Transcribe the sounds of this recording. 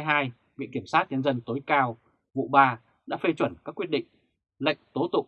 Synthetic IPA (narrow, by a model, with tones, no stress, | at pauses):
jɦaː˧j | vḭ˧˨ki˧˩əmsaː˦˥t̚ɲə˧nzə˧nt̪o˨˦jkaː˧w | vṵ˧˨ɓaː˧ | ɗa̰ː˧˥fe˧t͡ɕwə˧˩nkaː˦˥kːwi˦˥ət̚ɗḭ̈˧˨ŋ̟ | lə̰˧˨jŋ̟t̪o˨˦t̪ʊ̰˧˨ŋ͡m